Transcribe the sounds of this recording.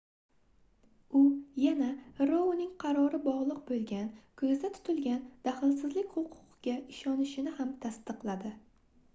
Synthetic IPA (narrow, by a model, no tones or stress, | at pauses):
ʊjanaɾonɪŋqʰɑɾɒɾɪbɒʁlˠɨq̚bolˠɡʲankʰɵzd̪at̪ʰʊ̥t̪ʰɪlɡʲand̪̥aχɪlsɪzlɪkʲhʊqʰʊ̥qɡʲaʔɪʃɒnɪʃɪnɪhamt̪ʰast̪ɨqlˠad̪ɪ